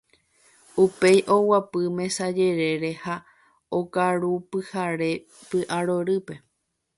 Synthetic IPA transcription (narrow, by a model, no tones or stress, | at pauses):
upe̞jʔo̞wapɨmẽ̞sad͡ʒe̞ɾe̞ɾeha | okaɾupɨhaɾe̞ | pɨʔaɾoɾɨpe̞